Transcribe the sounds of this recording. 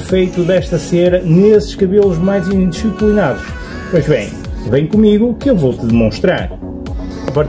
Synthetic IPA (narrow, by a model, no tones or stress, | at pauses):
fejt̪uðɛʃt̪ɐseɾɐnesɨ̥ʃkɐβelˠuʒmajzĩnd̪iʃiplˠinaðuʃ | pojʒβḛ̃j̃ | vɐ̃j̃kumiɣukɨewvowt̪ɨðɨmõʃt̪ɾa̰ɾ | ɐpɐɾt̪